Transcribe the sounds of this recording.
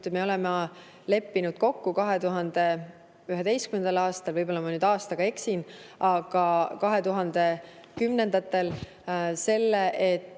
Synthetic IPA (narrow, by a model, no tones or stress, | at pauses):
meo̞le̞mɑ | le̞pːinud̪̥ko̞kːukɑɦe̞t̪uɦɑnd̪̥e̞ | yɦe̞d̪e̞jskyme̞nd̪ɑlɑːst̪ɑlvɤjb̥o̞lːɑmɑnyːd̪ɑːst̪ɑɡ̥ɑe̞ksinɑɡ̥ɑkɑɦe̞t̪uɦɑnd̪̥e̞ | kymne̞nd̪ɑt̪ːˑe̞l | se̞lːeʔet̪ːˑ